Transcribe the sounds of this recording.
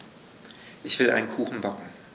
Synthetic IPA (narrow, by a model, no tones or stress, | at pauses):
ʔɪçv̥ɪla̰ɪnənkʰuːxn̩bɔkŋ̩